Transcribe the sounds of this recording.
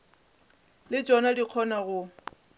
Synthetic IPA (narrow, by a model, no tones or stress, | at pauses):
lɪt͡ʃʼɔnadiq͡χʰɔnaɣʊ